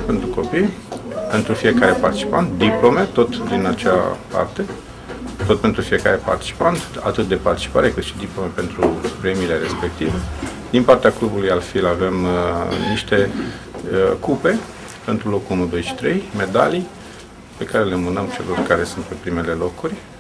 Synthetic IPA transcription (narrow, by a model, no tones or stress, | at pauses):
pe̞nt̪ɾuko̞pij | pe̞nt̪ɾufije̞kaɾe̞part̪it͡ʃi̥pant̪d̪iplo̞me̞t̪o̞t̪d̪inat͡ʃa̰pa̰rt̪e̞ | t̪o̞t̪̚pe̞nt̪ɾufije̞kaɾe̞pa̰rt̪i̥t͡ʃi̥pant̪a̰t̪ɨt̪̚d̪e̞part̪i̥t͡ʃi̥pa̰ɾe̞kɨt̪ʃi̥d̪iplo̞me̞pe̞nt̪ɾupɾemile̞ɾe̞spe̞k̚t̪ive | d̪inpart̪eaklubulujalfilave̞mniʃt̪e̞ | kupe̞ | pe̞nt̪ɾulo̞kuumud̪oeʃi̥t̪ɾe̞jme̞d̪a̰li | pe̞kaɾe̞lemunəmt͡ʃe̞̰lo̞rkaɾe̞sunt̪̚pe̞pɾime̞le̞lo̞kurʲ